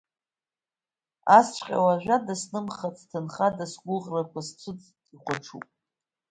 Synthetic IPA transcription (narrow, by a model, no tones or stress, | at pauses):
ast͡ʃʷʰʼqʲʼa̰waʒᶣʷadasnɨmχat͡sʰtʰɨnχadasɡʷʊʁrakʷʰast͡sʷʰɨt͡sʼ | iχʷaʈ͡ʂʰṵpʼ